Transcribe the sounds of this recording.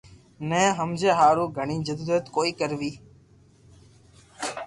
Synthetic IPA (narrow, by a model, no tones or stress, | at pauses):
nɛ̃ːɦəmd͡ʒeːɦaːɾuːɡʱəɳiːd͡ʒəd̪uːɾjət̪koːiːkəɾʋiː